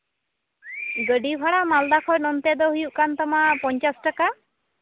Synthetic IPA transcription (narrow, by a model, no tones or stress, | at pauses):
ɡəɖibʱaɽamald̪akʰɔnɔnt̪ɛd̪ɔɦujuʔkant̪ɔmaʔpɔɲt͡ʃasʈaka